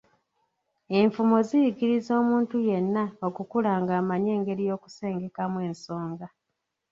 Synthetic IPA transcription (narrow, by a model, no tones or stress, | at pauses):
e̞ɱfumo̞zijiɡiɾizo̞ːmuːntuje̞nːaokukulaːŋɡaːmaɲe̞ːŋɡe̞ɾijo̞ːku̥se̞ːŋɡe̞kamwe̞ːnso̞ːŋɡa